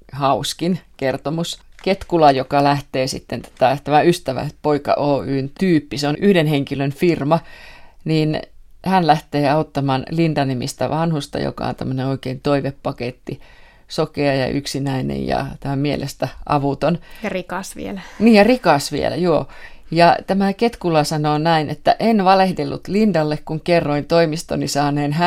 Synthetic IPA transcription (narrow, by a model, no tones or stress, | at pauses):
hɑuskinkert̪omusket̪kulɑjokɑlæht̪eːsḭt̪ːent̪æ̥t̪æt̪æmæyst̪æʋæ̰poikɑ̰ʔoːyːnt̪yːpːiseonyhdenheŋkilønfirmɑniːnhænlæht̪eːɑot̪ːɑmɑːnlint̪ɑnimḭst̪æ̰ʋɑnhust̪ɑ̰jo̰kɑ̰ˑo̰nt̪æ̰mːø̆neoikeint̪oiʋeppɑket̪ːi | sokeɑjɑ̰ʔy̰ksinæinḛjjɑ̰t̪æmæmmiḛlʔḛst̪æʔɑ̰ʋut̪onjɑrikɑsʋḭelæniːjɑrikɑsʋiḛlæ̰joːjɑt̪æmæket̪kulɑsɑnoːnæinʔet̪ːæ̰ʔenʋɑlehdelːṵt̪lindɑlːekkuŋkerːoint̪oimist̪o̰nisɑːneːnhæ